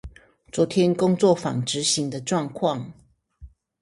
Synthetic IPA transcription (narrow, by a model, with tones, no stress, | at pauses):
t͡swɔ˨˥t̪ʰjɛ˦nkʊ˥ŋt͡swɔ˥˨fɑ̰˨˩ŋʈ͡ʂɻ̩˨˦ɕi˨˥ŋd̪ə˧ʈ͡ʂwɑ˥˧ŋkʰwɑ˥˨ŋ